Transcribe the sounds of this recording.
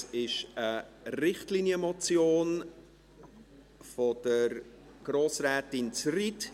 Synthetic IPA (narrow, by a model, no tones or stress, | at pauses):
ɪʃərɪχtliːnjəmɔt͡sjoːn | fɔd̥əɾ | ɡ̥roːsrɛːtɪnt͡srit